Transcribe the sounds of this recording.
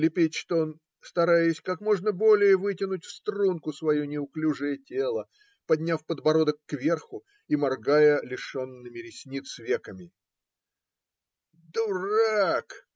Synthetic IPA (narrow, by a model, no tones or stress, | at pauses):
lʲɪpʲetʲʂt̪oon | st̪ɐɾajɪsʲkakmo̞ʐnəbo̞lʲɪjəvɨtʲɪnʊtʲfst̪ɾunkʊsvɐjunʲɪʊklʲuʐɨjətʲe̞lˠə | pɐdʲnʲafpəd̪bɐɾo̞d̪əkːvʲe̞rxʊ | imɐrɡajəlʲɪʂonːɨmʲɪɾʲɪsʲnʲit̪svʲe̞kəmʲɪ | d̪ʊrak